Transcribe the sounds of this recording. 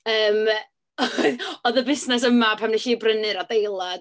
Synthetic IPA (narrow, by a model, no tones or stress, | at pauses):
əːm | ɔðəbɪsnɛs̬əmapʰamniɬiːbrənɨɾadejlˠa